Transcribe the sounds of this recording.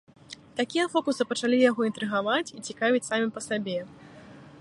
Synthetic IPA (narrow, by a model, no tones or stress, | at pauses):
t̪akʲijɐfɔkusɨpɐt͡ʂalʲijaɣɔint̪ɾɨɣavat͡sʲit͡sʲikavʲit͡sʲsamʲipɐsabʲɛ